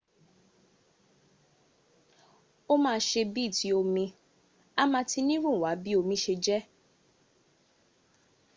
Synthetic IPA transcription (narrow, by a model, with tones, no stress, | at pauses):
o˦mãː˦˧ʃe˧bi˦˨ti˨˦o˧mĩ˧ | a˦mãː˧ti˧nĩ˦ɾũ˦˨wa˨˦bi˦o˧mĩ˨˦ʃe˧d͡ʒɛ˦